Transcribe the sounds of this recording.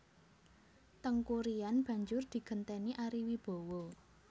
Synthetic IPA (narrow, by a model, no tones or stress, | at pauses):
t̪əŋkuɾianb̥ä̤ɲd͡ʒʊrd̪̥i̤ɡ̥ə̤nt̪eniʔaɾiwib̥o̤wɔ